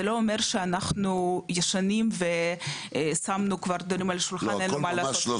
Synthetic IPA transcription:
eloːmeʁʃeanaχnujaʃanimve | samnukvaʁd̪oɾimalʃulχanenumalaːso

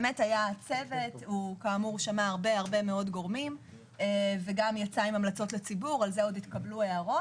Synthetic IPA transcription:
emetajat͡se̞ve̞tukaːmuʁʃamaaʁbeaʁbe̞meo̞dɡo̞ʁmim | eveɡamjat͡saimamlat͡so̞tlet͡sibuʁalzeoditkablue̞aʁo̞

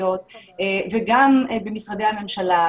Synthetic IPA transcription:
ot̪̚ːveɡambemisʁad̪ehame̞mʃala

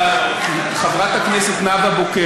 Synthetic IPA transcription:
χavʁat̪hakneset̪naɡaboke

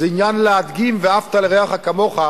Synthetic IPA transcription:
zɛinjanlead̪ɡimveaft̪aleʁeaχhakamoχa

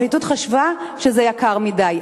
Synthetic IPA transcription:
litut̪χaʃvaʃezejakaʁmidaj

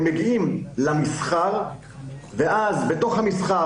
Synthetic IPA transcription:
meɡiimlamisχaʁ | veʔazbet̪o̞χhamisχa

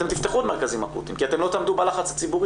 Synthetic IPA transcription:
emt̪ift̪eχut̪meʁkazimapṵt̪ḭmkiat̪emlo̞t̪aːmd̪ubalaχat͡slat͡sibuʁ

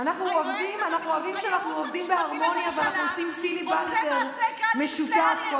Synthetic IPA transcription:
anaχnuovd̪imanaχnuoavimʃeanaχnuovd̪imbeaʁmo̞njaveanaχnuosimfilibalteʁme̞ʃutafko

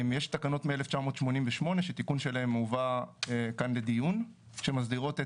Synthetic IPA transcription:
mjeʃt̪akano̞t̪mieleft͡ʃamo̞ːt̪ʃmo̞nimveʃmo̞ne̞ʃet̪ikunʃe̞lae̞muvaekanled̪ijun | ʃe̞mazdiʁo̞t̪e

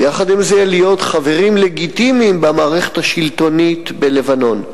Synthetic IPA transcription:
jaχad̪imzelijo̞tχave̞ʁimle̞ɡit̪imimbamaːʁeχe̥thaʃilt̪o̞nit̪bele̞vano̞n

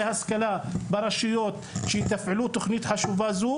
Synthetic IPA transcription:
haskalabɑɾˤɑʃɪjot̪ʃɛt̪afʕalut̪oxnit̪ħaʃuvazuː

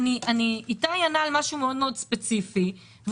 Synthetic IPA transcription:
niʔaniitaːjanalmaʃumeo̞d̪me̞o̞dspet͡sifi | v

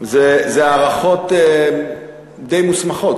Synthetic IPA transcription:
zezeaːʁaχo̞t̪e | d̪ejmusmaχo̞t

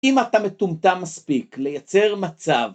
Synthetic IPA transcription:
imat̪amet̪umt̪amːaspikle̞jat͡se̞ʁmat͡sav

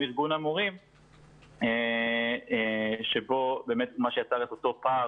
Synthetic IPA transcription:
iʁɡunamuʁim | e | eʃebo̞be̞ːmet̪maʃejat͡saʁet̪o̞t̪o̞pa

